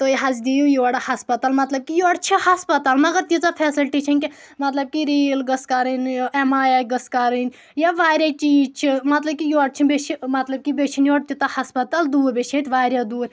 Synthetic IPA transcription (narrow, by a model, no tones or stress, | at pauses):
t̪oiɦɐzd̪ijujoːɽahɐspɐt̪almɐt̪lɐb̚kijoːɽt͡ʃʰihɐspɐt̪alnɐɡɐɾt̪izapʰɛːsɐlʈit͡ʃʰɐnʲki | mɐt̪lɐb̚kiɾiːlɡɐskaɾinemaːjaːɡɐskaɾin | jaʋaːɾʲat͡ʃiːd͡ʒt͡ʃʰimɐt̪lɐb̚kijoːɽt͡ʃʰibet͡ʃimɐt̪lɐb̚kibet͡ʃʰinjoːɽ̚t̪ʰit̪ɐhɐspɐt̪ald̪uːɾbʲeʃʰet̪ʲʋaːɾʲjad̪uːɾ